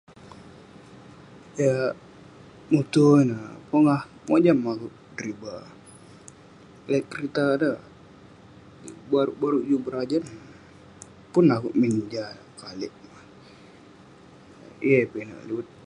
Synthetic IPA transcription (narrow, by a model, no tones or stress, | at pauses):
ja | mut̪unapoŋah | mod͡ʒamakuʔ | dɾiba | laʔkəɾit̪ada | baɾuʔbaɾud͡ʒubəɾad͡ʒan | pʊnakuʔmiɲd͡ʒalakalɪʔma | ḭepina̰ʔliwət̪̚